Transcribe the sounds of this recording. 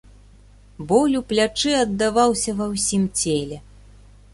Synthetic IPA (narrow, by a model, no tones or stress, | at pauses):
bɔlʲuplʲat͡ʂɨɐd̪ːavawsʲɐvɐwsʲimt͡sʲelʲɛ